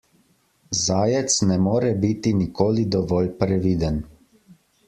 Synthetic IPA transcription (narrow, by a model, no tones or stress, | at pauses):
zaːjɛt̪snɛmoːɾɛbit̪inikoːlid̪ɔʋɔːlpɾɛʋiːd̪ən